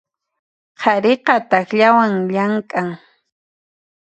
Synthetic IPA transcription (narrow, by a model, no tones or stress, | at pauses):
qʰɑɾeqɑt̪axʎawaŋʎaŋkʼaŋ